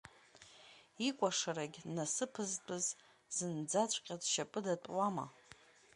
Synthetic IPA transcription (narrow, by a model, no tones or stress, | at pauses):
ikʷʼaʂaɾaɡʲnasɨpʰɨztʼɨz | z̥ɨnd͡zat͡ɕʷʼqʲʼazʃapʼɨdatʼwama̰